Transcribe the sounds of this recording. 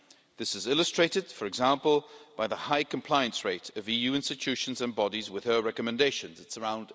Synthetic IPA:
ðɪsɨzɪlˠəstɹ̥eɪtɨd̥fə˞ɨɡzãmpəlˠb̥aɪðəhaɪkʰə̃mpʰl̥aɪə̃nsɹeɪtəvijʉːɪ̃nstɨt͡ʃʰʉʃə̃nzə̃nbɒɾizwɪð̥əɹɛkəmɨ̃ndeɪʃə̃nzɨtsə˞ãʊ̃nd

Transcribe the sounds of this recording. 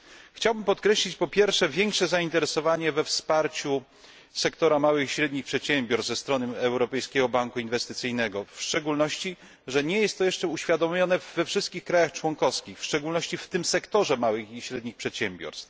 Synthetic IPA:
xt͡ɕawbɘmpɔt̪kɾɛɕlʲit͡ɕpɔpʲjɛɾfʂɛvʲjɛŋkʂɛzaint̪ɛɾɛsɔvaɲɛvɛfspaɾt͡ɕu | sɛkt̪ɔɾamawɘxiɕɾɛd̪ɲixpʂɛt̪ɕɛmbʲɔɾszɛst̪ɾɔnɘɛwɾɔpɛjskʲɛɡɔbaŋkuinvɛst̪ɘt̪sɘjnɛɡɔfʂt͡ʂɛɡulnɔɕt͡ɕi | ʐɛɲɛjɛst̪ːɔjɛʂt͡ʂɛuɕfʲjad̪ɔmʲjɔnɛvːɛfʂɘst̪̚kʲixkɾajaxt͡ʂwɔŋkɔfskʲixfʂt͡ʂɛɡulnɔɕt͡ɕift̪ɘmsɛkt̪ɔʐɛmawɘxiɕɾɛd̪ɲixpʂɛt̪ɕɛmbʲjɔ̰ɾst̪

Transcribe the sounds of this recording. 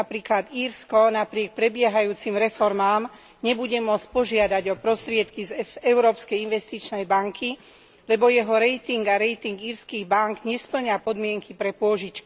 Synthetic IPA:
apɾiːklad̪iːɾskɔnapɾɪɛk̚pɾɛbɪɛɦajuːt͡simɾɛfɔɾmaːm | ɲɛbuɟɛmʊɔt͡sc̚ʲpɔʒɪad̪aɟɔpɾɔst̪ɾɪɛt̪kizɛʊɾɔːpskɛjinʋɛst̪it͡ʃnɛjbaŋkʰi | lɛbɔjɛɦɔɾɛjt̪iŋɡaɾɛjt̪iŋɡiːɾskiːɣbaŋɡɲɛspl̩ɲapɔd̪mɪɛŋkipɾɛpʊɔʒit͡ʃki

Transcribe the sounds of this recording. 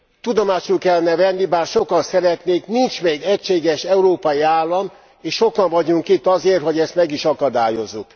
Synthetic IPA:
t̪ud̪omaːʃulkɛlːɛnɛvɛnːibaːrʃo̞kɒnsɛɾɛt̪neːknint͡ʃmeːɡɛcʃeːɡɛʃɛuɾoːpɒjiaːlːɒm | eːʃʃo̞kɒɱvɒɟuŋkit̪ːɒzeːrho̞ɟɛst̪mɛɡiʃɒkɒd̪aːjo̞zːuk

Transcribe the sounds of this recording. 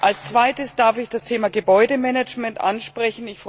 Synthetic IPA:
ʔalst͡sv̥aɪtəsd̥aɐfɪçd̥astʰeːmaɡəbɔʏdəmɛnɛd͡ʒmɛntʔa̰nʃpʁ̥ɛçn̩ɪçf

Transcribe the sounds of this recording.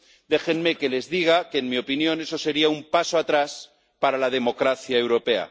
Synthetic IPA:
d̪e̞xe̞nme̞ke̞le̞zðiɣ̞akeːnmio̞pinjo̞ne̞so̞se̞ɾiaumpasoat̪ɾas | paɾalað̞e̞mo̞kɾaθjae̞wɾo̞pe̞a̰

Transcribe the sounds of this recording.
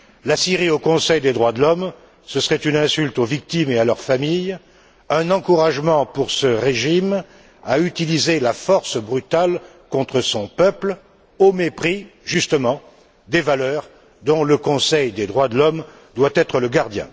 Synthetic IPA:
lasiʁiokɔ̃sɛjd̪ed̪ʁwad̪əlɔm | səsəʁɛt̪ynɛ̃sylt̪ovik̚t̪imealœʁfamij | ɛ̃nɑ̃kuʁaʒmɑ̃puʁsəʁeʒim | ayt̪ilizelafɔʁsbʁyt̪al | kɔ̃t̪χəsɔ̃pœpl | omepχiʒyst̪əmɑ̃ | d̪evalœʁ | d̪ɔ̃ləkɔ̃sɛjd̪ed̪ʁwad̪əlɔm | d̪wat̪ɛt̪χələɡaʁd̪jɛ̰̃

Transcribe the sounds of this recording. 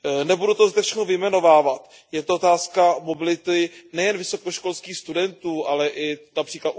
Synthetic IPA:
nɛbudut̪ozd̪ɛfʃɛxnovɪjmɛno̞vaːvat̪ | jɛt̪oot̪aːskamo̞bɪlɪt̪ɪnɛjɛnvɪso̞koʃko̞lskiːxst̪udɛnt̪uːʔalɛʔɪnapr̥iːklat̪

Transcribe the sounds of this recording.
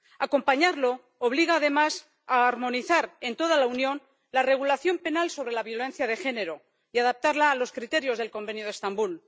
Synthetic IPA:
ako̞mpaɲaɾlo̞ː | β̞liɣ̞aːð̞e̞mas | aːɾmo̞niθaɾe̞nt̪o̞ð̞alaunjo̞n | lare̞ɣ̞ulaθjo̞mpe̞nalso̞β̞ɾe̞laβ̞jo̞le̞nθjaðe̞xe̞ne̞ɾo̞ | iaðap̚t̪aɾlaːlo̞skɾit̪e̞ɾjo̞zð̞e̞lko̞mbe̞njo̞ð̞est̪ambul

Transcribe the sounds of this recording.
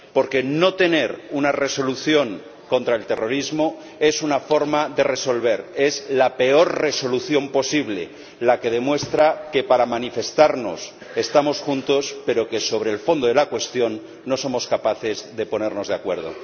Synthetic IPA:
po̞ɾke̞no̞t̪e̞ne̞ɾunare̞so̞luθjo̞ŋ | ko̞nt̪ɾae̞lt̪e̞ro̞ɾizmo̞ | e̞sunafo̞ɾmaðe̞re̞so̞lβe̞ɾe̞zlape̞o̞ɾre̞so̞luθjo̞mpo̞siβle̞̰ | lake̞ð̞e̞mwe̞st̪ɾake̞paɾamanife̞st̪aɾno̞̰s | e̞st̪amo̞sxunt̪o̞spe̞ɾo̞ke̞so̞β̞ɾeːlfo̞nd̪oðelakwe̞st̪jo̞nː | o̞so̞mo̞skapaθe̞zðe̞po̞ne̞ɾno̞zðeakwe̞ɾð̞o̞̰

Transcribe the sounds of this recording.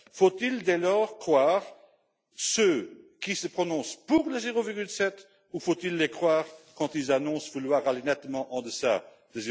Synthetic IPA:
fot̪ild̪ɛlɔːʁkχwaːʁ | søkisəpχɔnɔ̃spuʁləzeʁoviʁɡylsɛt̪ | ufot̪ilːekχwaːʁkɑ̃t̪ilzanɔ̃svulwaːʁalenɛt̪mɑ̃ʔɑ̃d̪əsa̰ | d̪̥əze

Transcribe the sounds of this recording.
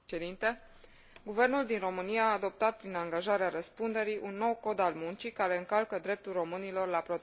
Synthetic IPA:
ed̪int̪e̞ | ɡuve̞rnuld̪inro̞mɨnijaaːd̪o̞p̚t̪at̪̚pɾinaŋɡaʒaɾeaɾəspund̪e̞ɾiʔunːo̞wko̞d̪almunt͡ʃikaɾe̞ɨŋkalkəd̪ɾe̞p̚t̪ulro̞mɨnilo̞rlapɾo̞t̪

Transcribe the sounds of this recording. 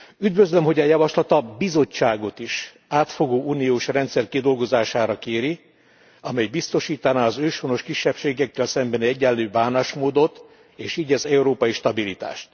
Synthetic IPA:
yd̪vøzlømɦo̞ɟɛjɒvɒʃlɒt̪ɒbizo̞t͡ʃːaːɡo̞t̪iʃ | aːt̪fo̞ɡoːʔuːnijoːʃrɛnt̪sɛrkid̪o̞lɡo̞zaːʃaːɾɒkeːɾi | ɒmɛjbist̪o̞ʃiːt̪ɒnaːɒzøːʃono̞ʃkiʃːɛpʃeːɡɛkːɛlsɛmbɛnɛɟːɛlːøːbaːnaʃmoːd̪o̞t̪ | eːʃiːɟɛzɛuɾoːpɒjiʃt̪ɒbilit̪a̰ːʃt̪

